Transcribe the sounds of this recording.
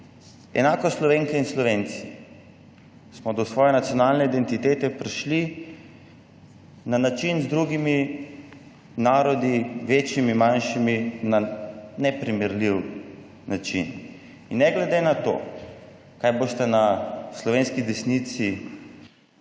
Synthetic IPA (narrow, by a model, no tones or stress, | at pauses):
ɛ̰naːkɔslɔʋeːŋkɛinslɔʋeːnt̪si | smɔd̪ɔsʋɔːjɛnat̪sjɔnaːlnɛid̪ɛnt̪it̪eːt̪ɛpɾiʃli | nanat͡ʃinzd̪ɾuɡimi | naːɾɔd̪iʋeːt͡ʃjimimanʃiminanɛpɾimɛɾliw | nat͡ʃḭn | inːɛɡlɛd̪enat̪o̰ː | kajbost̪ɛnaslɔʋeːnskid̪ɛsnit̪si